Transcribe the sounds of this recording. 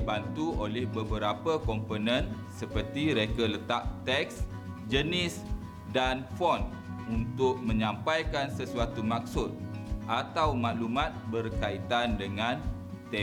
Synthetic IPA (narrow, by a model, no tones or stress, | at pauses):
bant̪uʔolɛhbəbəɾapəkɔmponə̃n | səpərt̪iɾekələt̪aʔ̚t̪ɛk̚s | d͡ʒənɪs | danfɔn | unt̪ʊk̚mə̃ɲãmpajkansəsuat̪umak̚sʊt̪̚ʔat̪awmaʔlumat̪̚bərkait̪andəŋãn | t̪ɛ